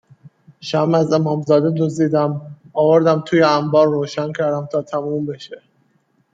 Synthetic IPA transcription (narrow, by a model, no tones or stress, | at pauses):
ʃæmæzemɒːmzɒːd̪ed̪uzd̪iːd̪æmɒːvoɾd̪æmt̪ʰuːjeæmbɒːɾːoːʃæncʰæɾd̪æmt̪ʰɒːt̪ʰæmuːmbeʃe